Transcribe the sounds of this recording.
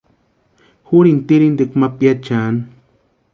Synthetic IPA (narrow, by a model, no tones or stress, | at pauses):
xuɾint̪iɾind̪ekmapjat͡ʃan